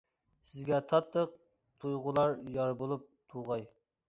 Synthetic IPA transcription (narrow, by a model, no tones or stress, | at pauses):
sɪzɡʲɛt̪ʰɑt̪ʰːəq̚ | t̪ʰujʁʊlˠɑɾjɑɾbolˠup̚t̪ʰuʁɑj